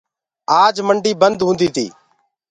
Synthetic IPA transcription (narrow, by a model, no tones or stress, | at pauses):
aːd͡ʒməɳɖiːbənd̪ɦũːnd̪iːt̪ʰḭː